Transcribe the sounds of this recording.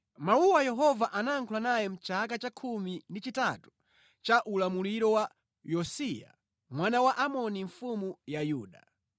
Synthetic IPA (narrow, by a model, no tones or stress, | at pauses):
mauwajɛɦɔvaʔanaːŋkʰulanajɛm̩t͡ʃakat͡ʃakʰumindit͡ʃitatu̥ | t͡ʃaʔulamuliɾɔwa | jɔsia̰ | mwanawaʔamɔniɱ̩fumujajuːɗa̰